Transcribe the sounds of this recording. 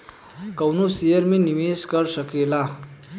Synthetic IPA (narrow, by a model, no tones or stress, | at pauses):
kəwnusijeɾmiːniʋeskəɾsəkela